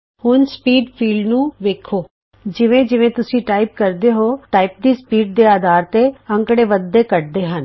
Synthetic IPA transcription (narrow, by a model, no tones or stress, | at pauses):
hʊnspiːɖpʰiːlɖnũːʋeːkʰːoː | d͡ʒɪʋẽːd͡ʒɪʋẽːt̪ʊsĩːʈaːɪp̚kəɾd̪eːɦoːʈaːip̚d̪iːspiːɖ̚d̪eːaːd̪aːɾt̪eːə̃ŋkɽeːʋəd̪ːeːkəʈ̚d̪eːɦən